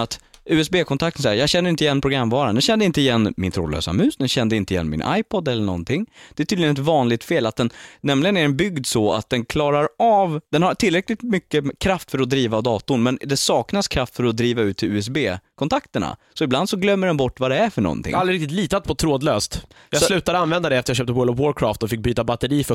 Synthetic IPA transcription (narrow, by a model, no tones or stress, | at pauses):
at̪ʉ̟ːɛsbeːkʰɔnt̪ʰak̚t̪ənsɛjːəjɑːɡɕɛnːɾɪnt̪ɪjɛnːpʰɾʊɡɾamvɑːɾand̪ɛɕɛnd̪əɪnt̪əɪjɛnːmɪ̰nt̪ʰɾoːd̪lø̰ːsa̰mʉ̟ːsd̪ɛnɕɛnd̪əɪnəɪjɛ̰nːmɪ̰nʔa̰jpʰɔd̪ɛlːəɳɔ̰nt̪ʰɪŋːd̪̥ɛæʈʰyːd̪ɪənɛt̪vɑːnlɪɡ̚t̪feːlat̪̚d̪ɛnnɛmlɪɡənæɾɛnbʏɡd̪sɔa̰t̪̚d̪ɛnkʰlɑːɾaɾɑːvd̪̥ɛnhaʈʰɪlɾɛklɪt̪mʏkːəkʰɾaft̪fœɾɔd̪ɾiːvad̪ɑːt̪ʊɳmɛnd̪ɛsɑːknaskʰɾaft̪fœɾɔd̪ɾiːvaʉ̟ːt̪ʰɪʉːɛs̬beːkʰɔnt̪ʰakt̪əɳa̰sɔɪbland̪sɔɡlœmːəɖɛnbɔʈːvad̪ɛæɾfœɳɔ̰nt̪ʰɪ̰ŋalɾɪɾɪkt̪ɪt̪liːt̪at̪̚pʰɔt̪ʰɾoːd̪løːst̪ | jɑslʉ̟ːt̪ad̪əanvɛnd̪ad̪ɛɛft̪əɾjaɕœːp̚t̪əwɔlɔvwɔɾkʰɾɑːft̪ɔfɪk̚byːt̪abat̪ːəɾiːfœ